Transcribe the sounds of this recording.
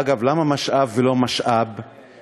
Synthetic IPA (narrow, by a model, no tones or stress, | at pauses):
ɡavlamamaʃʔavːelomaʃʔab